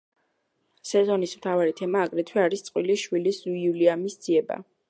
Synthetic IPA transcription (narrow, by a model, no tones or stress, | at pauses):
sɛzɔnismt̪ʰavaɾit̪ʰɛmaːɡɾɛt̪ʰwɛaɾist̪sʼqʼwiliʃwilisuiuliamisd̪z̥iɛba̰